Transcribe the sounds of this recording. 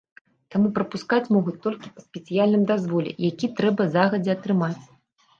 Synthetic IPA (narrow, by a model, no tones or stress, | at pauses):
t̪amupɾɐpuskat͡sʲmɔɣut͡sʲt̪ɔlʲkʲi̥pɐsʲpʲɛt̪sɨjalʲnɨmd̪azvɔlʲɛ̰jakʲit̪ɾɛbɐzaɣɐd͡zʲɛɐt̪ɾɨmat͡sʲ